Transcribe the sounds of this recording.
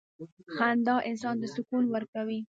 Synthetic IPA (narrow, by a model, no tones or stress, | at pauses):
xand̪ɑʔɪnsɑnd̪əsʊkunwəɾkawi